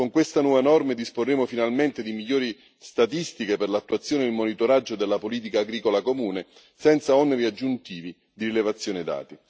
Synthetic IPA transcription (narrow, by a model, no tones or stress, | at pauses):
koŋkwest̪anwɔːvenɔrmed̪isporːeːmofinalment̪ed̪imiʎːoːɾi | st̪at̪ist̪ikeperlat̪ːuat̪sːjoːneilmonit̪oɾad͡ʒːod̪elːapoliːt̪̬ikaːɡɾiːkolakomuːne | sɛnt̪saɔneɾiad͡ʒːunt̪iːvi | d̪iɾilevat̪sːjoːnɪd̪a̰ːt̪i